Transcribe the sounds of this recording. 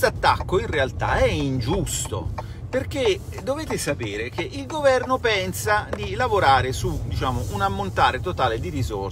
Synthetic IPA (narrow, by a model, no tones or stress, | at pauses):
st̪at̪ːakːoinrealt̪a̰ɛind͡ʒust̪o̰ | perke | d̪oveːt̪esapeːɾek̟eʔilɡovɛrnopɛnsad̪ilavoɾaːɾesud̪it͡ʃaːmoʔunamːont̪aːɾet̪ot̪aːled̪iɾizor